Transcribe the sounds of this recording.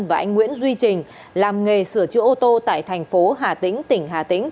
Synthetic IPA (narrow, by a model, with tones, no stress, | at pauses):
nvaː˨˩ʔa˧ŋ̟ŋwḭ˧˥ənzwi˧t͡ɕï˨˩ŋ̟ | laː˨˩mŋe˨˩sɨ˧˩ət͡ɕɨ̰˧əʔo˧t̪o˧t̪a̰ː˧˨jt̪ʰɛ˨˩jŋ̟fo˨˦ɦaː˨˩t̪ḭ̈˧˥ŋ̟t̪ï˧˩ŋ̟ɦaː˨˩t̪ï˧˥ŋ̟